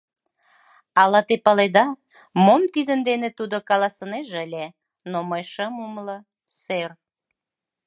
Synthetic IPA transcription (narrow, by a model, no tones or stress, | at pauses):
ɑlɑt̪epɑled̪ɑ | momt̪id̪ənd̪enet̪ud̪okɑlɑsəneʒəlʲe | noməjʃəmumlə | ser